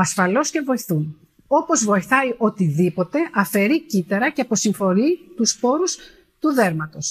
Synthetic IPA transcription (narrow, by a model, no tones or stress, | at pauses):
ɐsfɐlo̞sce̞vo̞iθun | o̞po̞zvo̞iθɐiʔo̞t̪iðipo̞t̪e̞ʔɐfe̞ɾicit̪eɾɐceɐpo̞siɱfo̞ɾit̪uspo̞ɾus | t̪uðe̞ɾmɐt̪o̞s